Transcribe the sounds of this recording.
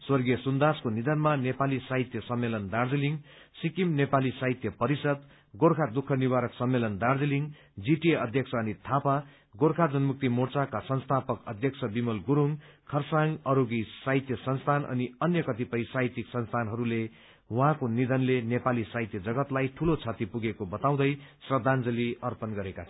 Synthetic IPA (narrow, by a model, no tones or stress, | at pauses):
swʌrɡijʌsund̪askonid̪ʱʌnmanepalisaɦit̪jʌsʌmːelʌnd̪ard͡ziliŋ | sikimnepalisaɦit̪jʌpʌɾisʌd̪ | ɡorkʰad̪ukʰːʌniwaɾʌksʌmːelʌnd̪ard͡ziliŋ | d͡ziʈieʌd̪ʱjʌksʰʌːnit̪ʰapa | ɡoɾkʰad͡zʌnmuk̚t̪imort͡sakasʌnst̪ʰapʌkʌ̰d̪ʱjʌk̚sʰʌbimʌlɡuɾuŋkʰʌrsaŋɡʌɾoɡisaɦit̪jʌsʌnst̪ʰanʌ̰niʌnjʌkʌt̪ipʌjsaɦit̪iksʌnst̪ʰanɦʌɾule | wuɦãkonid̪ʱʌnlenepalisaɦit̪jʌd͡zʌɡʌt̪lajʈʰulot͡sʰat̪ipuɡekobʌt̪aw̃d̪ʌjsrʌd̪ʱand͡zʌliʌrpʌnɡʌɾekat͡sʰʌ